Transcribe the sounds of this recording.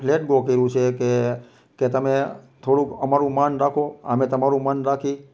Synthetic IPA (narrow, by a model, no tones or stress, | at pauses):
pleʈɡokəɾũt͡ʃʰeke | ket̪əmet̪ʰoɽũkəmaɾũmanɾakʰoa̰met̪əmaɾũmanɾakʰi